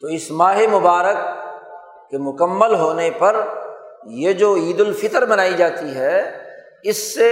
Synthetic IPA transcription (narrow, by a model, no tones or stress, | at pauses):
t̪oːɪsmaːɦemʊbaːɾəkː | emʊkəmːəlɦoːnepɐɾ | jed͡ʒoːiːd̪ʊlfɪt̪əɾbɐnaːid͡ʒaːt̪iɦɛ | ɪsːe